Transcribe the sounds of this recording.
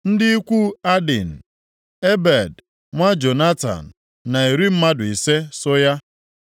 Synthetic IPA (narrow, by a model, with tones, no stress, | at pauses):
n̩˦dɪ˦i˦kʷu˦a˦dɪ˨n̩˨ | e˦be˨d | ŋʷa˦d͡ʒo˨na˦ta̰˨n̩˨ | na˨i˨ɾi˦m̩˦ma˦dʊ˨i˨se˦sɔ˦ja˦